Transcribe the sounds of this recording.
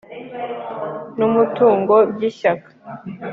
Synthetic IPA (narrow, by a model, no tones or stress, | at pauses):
numutuːŋɡo̞bɟiʃakḁ